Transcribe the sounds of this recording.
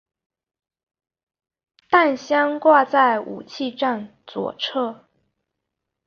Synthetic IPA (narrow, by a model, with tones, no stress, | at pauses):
t̪a˥˩nɕjɑ˥ŋkwa˥˧t͡sa˥˩ɪʔṵ˨˩t͡ɕʰi˥˧ʈ͡ʂa˥˩nt͡swɔ̰˨˩˦ʈ͡ʂʰɤ˥